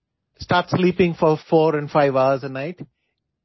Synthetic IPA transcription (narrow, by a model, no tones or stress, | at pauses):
sʈaːɾʈsliːpɪ̃ŋfɔɾfɔːɾɛ̃nɖfaɪʋaʊəɾzənaɪʈ